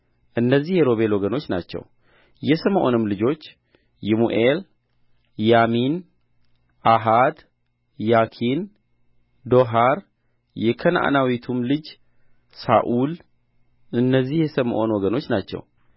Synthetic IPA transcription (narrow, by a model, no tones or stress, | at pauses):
ʔɨnːəzːihjɛɾo̞βe̞lwɔɡəno̞t͡ʃːna̰t͡ʃːɛ̰w | jɛsəməʔo̞̰nɨmlɨd͡ʒo̞t͡ʃː | jɛmuʔel | jamin | ʔaɦad̪ | jakʰin | d̪o̞ɦaɾ | jɛkʰənʔa̰nawit̪ʰumlɨd͡ʒ | sa̰ʔul | ʔɨnːəzːihjɛsəməʔo̞nwɔɡəno̞t͡ʃːnat͡ʃːɛ̰w